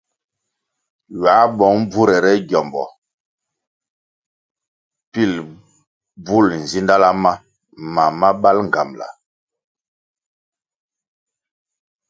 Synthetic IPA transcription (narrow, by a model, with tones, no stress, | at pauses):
ɥa˨˦bɔ˨˦ŋb͡vu˦ɾɛ˨ɾɛ˦ɟjɔ˨mbɔ̰˨ | pi˦˨l | bu˦˨ln̩˨zi˦nda˦la˦ma˦ | ma˨ma˦ɓa˦lŋ˨ɡa˨mla̰˨